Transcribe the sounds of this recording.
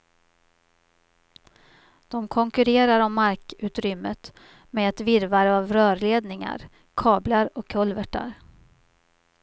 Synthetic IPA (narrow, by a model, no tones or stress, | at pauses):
d̪̥ɔmkʰɔŋkɵɾeːɾaɾɔmːaɾkʉ̟ːt̪ɾʏmːət̪ | meɛt̪vɪɾvaɾəavɾœːɾleːd̪nɪŋa̰ɾ | kʰɑːblaɾɔkʰːɵlvəʈa̰ɾ